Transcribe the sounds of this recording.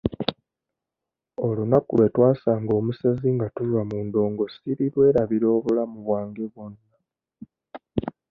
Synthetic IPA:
o̞lunakulwe̞twaːsaːŋɡo̞ːmusaziŋɡatuzwamuːnd̪o̞ːŋɡo̞siɾilwe̞ːɾaβiɾo̞ːβulamuβwaːŋɡe̞βwo̞nːa

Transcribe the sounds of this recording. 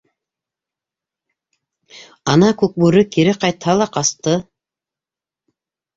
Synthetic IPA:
ɑnɑkɵk̚bɵɾɵkʰeɾɪqɑjt̪ʰɑlˠɑqʰɑst̪ɤ

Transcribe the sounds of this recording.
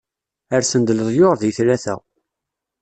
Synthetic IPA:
əɾsənd̪ələðˤjoɾˤðiθlæθæ̰

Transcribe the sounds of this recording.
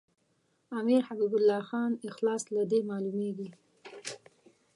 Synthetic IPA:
ɑmiɾhabibʊlːɑxɑnɪxlɑslad̪emɑlumeɡi

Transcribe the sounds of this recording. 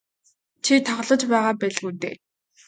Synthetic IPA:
t͡ɕʰit̪ʰɔχɮɞ̆t͡ɕpæːʁaːpæɮɣuːt̪ḛː

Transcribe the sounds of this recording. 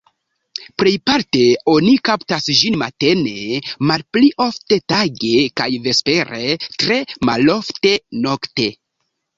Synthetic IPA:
pɾejpaɾteo̞nikaptasd͡ʒinma̰te̞nemalpliʔo̞fte̞taɡe̞kajve̞spe̞ɾe̞tɾe̞malo̞fte̞no̞kte̞

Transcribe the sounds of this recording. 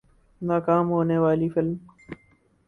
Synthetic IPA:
naːkaːmɦoːneːʋaːliːfɪlm

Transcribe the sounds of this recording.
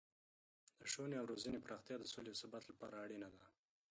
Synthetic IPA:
d̪̥əʂoneawɾozinepɾɑxt̪jɑd̪əsoleəsabat̪lapɑ̰ɾaːɽinad̪a

